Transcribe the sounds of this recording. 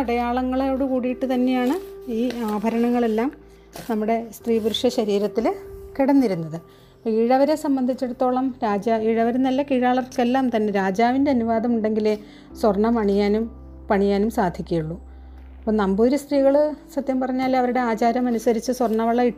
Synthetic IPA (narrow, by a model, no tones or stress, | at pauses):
ɐɽɐjaːɭɐŋːɐɭeoːɽekuːɽijiʈːut̪ɐnːe̞jaːɳɨiːaːbʱɐɾɐɳɐŋːɐɭe̞lːaːm | nɐmːuɽe̞st̪riːbuɾuʂjɐɕɐɾiːɾɐt̪ːilkiɽɐnːiɾunːɐðɨ | pːiːɻɐʋɐɾe̞sɐmbɐnd̪ʱit͡ɕːeɽut̪ːo̞ːɭɐmɾaːd͡ʑaːiːɻɐʋɐɾunːɐlːɐkiːɻaːɭɐrkelːaːmt̪ɐnːe̞ɾaːd͡ʑaːʋinde̞ɐnuʋaːd̪ʱɐmuɳɖe̞ŋɡile | swɐrɳːɐmɐɳijaːnum | pɐɳijaːnumsaːd̪ʱikʲːɐjuɭːu | ɐpːoːnɐmboːɾust̪riːɣɐɭsɐt̪jɐmpɐrɐɲːaːlɐʋɐɾuɽe̞aːt͡ɕaːɾjɐmɐnusɐɾit͡ɕːɨswɐrɳːɐʋɐɭːɐi